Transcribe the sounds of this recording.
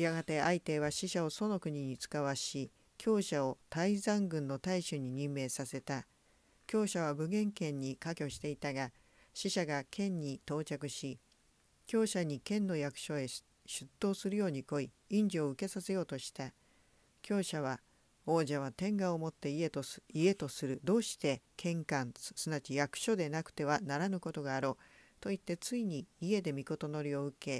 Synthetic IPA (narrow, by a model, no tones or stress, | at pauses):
jaɡat̪e̞ait̪e̞β̞aɕiɕao̞so̞no̞kɯ̟ɲ̟iɲ̟it͡sɨ̥kaβaɕi | kʲʰo̞ːɕao̞t̪aizãŋɡɯ̟̃nːo̞t̪aiɕɨɲ̟iɲ̟ĩmːe̞ːsase̞t̪a | kʲo̞ːɕaβ̞abɯ̟ɡẽ̞ŋkẽ̞ɲ̟ːikakʲo̞ɕi̥t̪e̞it̪aɡa | ɕiɕaɡakʰẽ̞ɲ̟ːit̪o̞ːt͡ɕakɯ̟ɕi | kʲo̞ːɕaɲ̟ikẽ̞nːo̞jakɯ̟̥ɕo̞e̞ | ɕɨt̪ːo̞ːsɨɾɯjo̞ːɲ̟iko̞i | ĩɲ̟d͡ʑio̞ɯ̟ke̞sase̞jo̞ːt̪o̞ɕi̥t̪a | kʲo̞ːɕaβa | o̞ːʑaβ̞at̪ẽ̞ŋɡaomo̞t̪ːe̞iet̪oie̞t̪o̞sɨɾɯ̟d̪o̞ːɕi̥t̪e̞kʰẽ̞ŋkãɴsɨnat͡ɕijakɯ̟̥ɕo̞d̪e̞nakɯ̟̥t̪e̞βanaɾanɯ̟ko̞t̪o̞ɡaːɾo̞ːt̪o̞it̪ːe̞t͡sɨiɲ̟iːe̞d̪e̞mʲiko̞t̪o̞no̞ɾʲio̞ɯ̟ke̞